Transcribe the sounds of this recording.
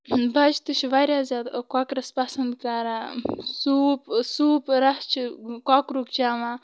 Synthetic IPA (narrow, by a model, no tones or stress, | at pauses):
bat͡ʃt̪əʃiwaɾʲazjad̪kwakɾaspasɐnd̪kaɾasupsupɾaht͡ʃikakɾukt͡ʃama